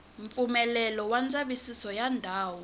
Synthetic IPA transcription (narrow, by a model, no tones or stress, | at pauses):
ɱfumɛlɛlɔwand͡zʼaɓisisɔjandʱaːwɔ